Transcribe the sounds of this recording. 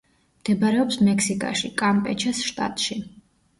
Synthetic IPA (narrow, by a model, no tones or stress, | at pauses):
md̪̥ɛbaɾɛɔpsmɛksikʼa̰ʃikʼampʼɛt͡ʃʰɛsʃt̪ʼa̰t̪ʼʃi